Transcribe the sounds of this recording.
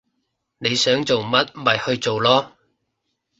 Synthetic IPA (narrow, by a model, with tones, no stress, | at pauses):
ne˨˧jsœː˨˥ŋt͡so˨wmɐ˥t̚mɐ˨jhɵ˧ɥt͡so˨wlɔː˥